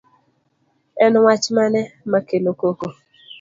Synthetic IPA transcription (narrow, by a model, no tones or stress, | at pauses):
ɛnwat͡ʃmanɛmakenokoko